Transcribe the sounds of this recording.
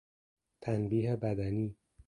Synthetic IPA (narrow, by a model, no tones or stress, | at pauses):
t̪ʰænbiːɦebæd̪æniː